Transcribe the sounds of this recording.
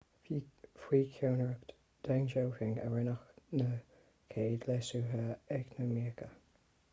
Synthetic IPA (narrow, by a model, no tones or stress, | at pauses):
fwiːkʰjoːnɹək | d̪̥ɛŋd͡ʒowkɪŋə̰ɹɪnəxnə | kʰeːdlɛsuɦəɛknəmiəkə